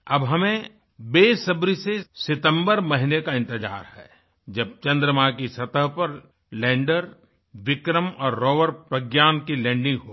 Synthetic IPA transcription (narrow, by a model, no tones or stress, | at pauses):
ɐbɦɐmẽ | beːsɐbɾisesɪt̪ə̃mbəɾmɐɦɪnekaɪ̃nt̪ɪd͡ʒa̰ːɾhɛ̰ː | d͡ʒɐb̚t͡ʃɐ̃nd̪ɾəmakisɐt̪əɦpɐɾ | lɛ̃ːɳɖəɾ | ʋɪkɾəmɔːɾːɔːʋəɾpɾəɡjaːnkilɛ̃ːɳɖɪ̃ŋɡɦoː